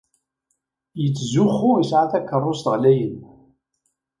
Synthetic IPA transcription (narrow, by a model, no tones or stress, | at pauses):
jət͡sːzʊχːʊəsʕaθækːərˤːost̪ʁlæjən